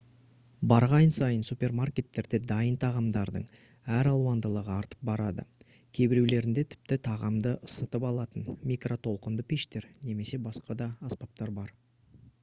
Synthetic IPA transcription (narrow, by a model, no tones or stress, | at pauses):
bɑɾʁɑjnsɑjənsupʲe̞rmarkʲe̞t̪ːe̞ɾd̪e̞d̪ɑjənt̪ʰɑʁɑmd̪ɑɾd̪əɴ | æɾɑlˠwɑnd̪əlˠəʁəɑɾt̪ə̥p̚bɑɾɑd̪ə̰ | kʲʰe̞bɪɾewle̞ɾɪnd̪e̞t̪ʰɪ̥p̚t̪ɪt̪ʰɑʁɑmd̪əʔəsət̪əpɑlˠɑt̪ənmʲijkro̞t̪ʰo̞lˠqənd̪əpʲeʃt̪e̞ɾne̞me̞se̞bɑsqɑd̪ɑːspɑp̚t̪ɑɾbɑɾ